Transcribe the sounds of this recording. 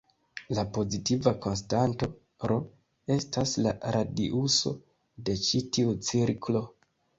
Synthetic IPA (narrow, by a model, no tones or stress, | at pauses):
lapo̞zitivako̞ns̬tanto̞ | ɾo̞ | e̞stasla̰ɾʔadiʔuso̞̰ | de̞t͡ʃitiut͡siɾkʰlo̞